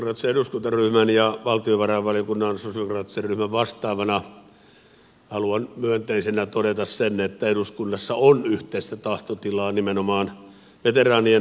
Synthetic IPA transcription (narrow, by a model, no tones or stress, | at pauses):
krɑt̪ːiseeɾuskunt̪ɑryhmænjɑʋɑlt̪ioʋɑrɑʋʋɑlijokunːɑnsosiokrɑːt̪ːi̥serryhmæʋʋɑst̪ˑɑːʋɑnɑ | hɑluɑnmyønt̪eisenæt̪odet̪ɑssenet̪ːæeɾuskunːɑsːɑonyht̪eist̪æt̪ɑht̪ot̪ilɑːnimenomɑːn | ʋet̪erɑːnien